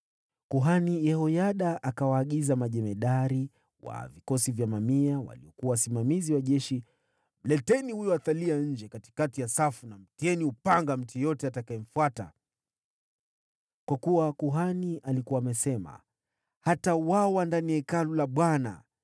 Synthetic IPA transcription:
kuɦanijɛhɔjaɗaʔakawaːɠizamaʄɛmɛɗaɾi | wa̰vikɔsivjamamiawa̰liɔkuawasimamiziwaʄɛʃi | m̩lɛtɛnihujɔaθaliaɲ̩d͡ʒɛkati̥katijasafunam̩tiɛniupaŋɡam̩tijɔtɛatakaɛm̩fuata̰ | kwakuwakuɦaniʔalikuwaːmɛsɛma̰ | hatawawandaniaikalulaɓwana̰

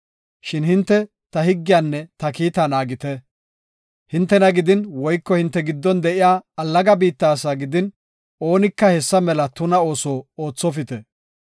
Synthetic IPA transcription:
ʃɪnhɪnt̪ːɛ | t̪ɐhɪɡːɪjaːnːɛt̪ɐkiːt̪anaːɡɪt̪ɛ | hɪnt̪ːɛnɐɡɪd̪ɪnwɔjkːɔhɪnt̪ːɛɡɪd̪ːɔnd̪ɛʔɪjaːɐlːɐɡɐbiːt̪ːaːsaɡɪd̪ɪn | o̞ːnɪkːɐhɛsːɐmɛlɐt̪ʊnɐo̞ːsoːoːt͡sːɔfɪt̪ɛ

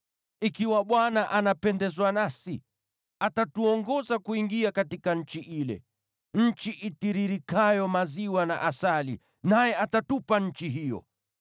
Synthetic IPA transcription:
ikiwaɓwanaʔanapɛndɛzwanasi | atatuɔŋɡɔzakuiŋɡiakatikaɲ̩t͡ʃiʔilɛ̰ | ɲ̩t͡ʃiʔitiɾiɾikajɔmaziwana̰ʔasalḭ | najɛʔatatupaɲ̩t͡ʃiɦijɔ̰

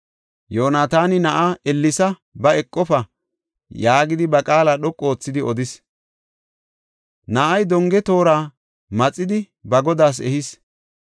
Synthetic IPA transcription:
joːnaːt̪aːnɪnɐʔaʔɛlːɪsɐ | bɐɛkʼːɔfɐ | jaːɡɪd̪ɪbɐkʼaːlaɗɔkʼːo̞ːt͡sːɪd̪ɪɔd̪ɪs | nɐʔɐjd̪ɔŋɡɛt̪o̞ːɾaː | mɐt͡sʼːɪd̪ɪ | bɐɡɔd̪aːs̬ɛhɪs

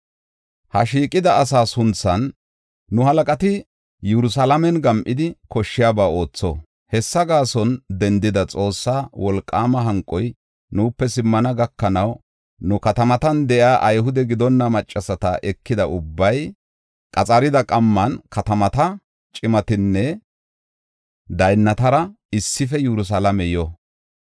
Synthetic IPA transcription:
hɐ̰ʃiːkʼɪd̪ɐːs̬aːsʊnt͡sːɐnː | ʊhɐlɐkʼɐt̪ɪ | jɛɾʊs̬alɐmɛnɡɐmʔɪd̪ɪkɔʃːɪjaːbaːo̞ːt͡sːɔ̰ | hɛsːɐɡaːsɔnd̪ɛnd̪ɪd̪ɐt͡sʼo̞ːsːaːwɔlkʼːaːmɐɦɐŋkʼːɔj | nuːpːɛsɪmːɐnɐɡɐkːɐnɐw | nʊkɐt̪ɐmɐt̪ɐnd̪ɛʔjaːʔɐjɦʊd̪ɛɡɪd̪ɔnːɐmɐt͡ʃʼːɐsɐt̪ɐʔɛkːɪd̪ɐʊbːɐj | kʼɐt͡sʼɐɾɪd̪ɐkʼɐmːɐnkɐt̪ɐmɐt̪ɐ | t͡ʃʼɪmɐt̪ɪnːɛ | d̪ɐjnːɐt̪ɐɾɐ | ɪsːɪfɛjɛɾʊs̬ɐlɐmɛjɔ

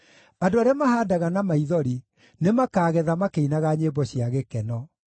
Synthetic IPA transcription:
adoaɾeamahaːdaɣanamaiðɔɾi | nemakaːɣɛðamakeinaɣaɲebɔɕiaɣekɛnɔ

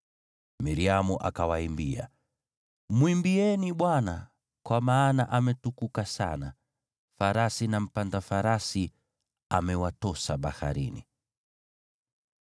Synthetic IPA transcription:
miɾiamuʔakawaimbia̰ | mwimbiɛniɓwana | kwamaːnaʔamɛtukukasa̰na | faɾasinam̩pandafaɾasi | amɛwatɔsaɓaha̰ɾḭnḭ

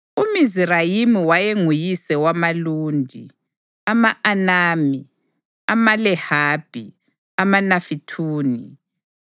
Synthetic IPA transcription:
umizirajimiwajeŋujisɛwamaluːndʱḭ | amaʔanaːmi | amalɛhaːb̥ʱi | amanafitʰuːni

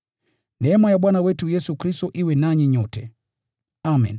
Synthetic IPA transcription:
nɛmajaɓwanawɛtujɛsukɾistɔʔiwɛnaɲiɲɔtɛ | amɛ̰n

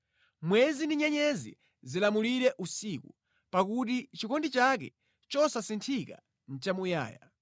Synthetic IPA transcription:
mwɛzindiɲɛɲɛzḭ | zilamuliɾɛʔusiku | pakut̬it͡ʃikɔndit͡ʃak̬ɛ̰ | t͡ʃɔsasintʰika | n̩t͡ʃamuja̰ːja

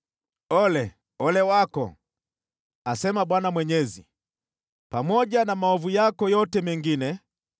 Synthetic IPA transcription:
ɔlɛ | ɔlɛwakɔ̰ | asɛmaɓwanamwɛɲɛzḭ | pamɔʄanamaɔvujakɔjɔtɛmɛŋɡinɛ

